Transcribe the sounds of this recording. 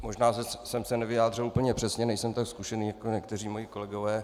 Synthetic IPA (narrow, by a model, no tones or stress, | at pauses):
mo̞ʒnaːssɛmsɛnɛvɪjaːd̪rɪluːpl̩ɲɛpr̥ɛsɲɛnɛjsɛmt̪akskuʃɛniːjakoɲɛkt̪ɛriːmojɪko̞lɛɡo̞vɛː